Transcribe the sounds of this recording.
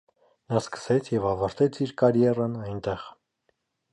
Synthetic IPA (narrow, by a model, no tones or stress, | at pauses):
nɑskə̥sɛt͡sʰjɛvɑvɑɾt̪ɛt͡sʰiɾkɑɾjɛrənɑjnt̪ɛʁ